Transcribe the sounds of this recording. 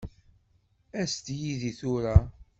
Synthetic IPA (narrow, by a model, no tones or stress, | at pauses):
æst̪jiðiθʊɾa